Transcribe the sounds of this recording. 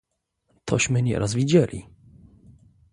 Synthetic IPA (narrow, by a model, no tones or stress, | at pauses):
t̪ʰɔɕmɘɲɛ̰ɾʔazvʲid͡ʑɛlʲḭ